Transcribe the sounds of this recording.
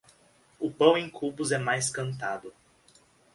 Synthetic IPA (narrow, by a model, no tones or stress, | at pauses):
ʊpɐ̃w̃ẽj̃kʰubʊzɛmajskɐ̃nt̪ad̪ʊ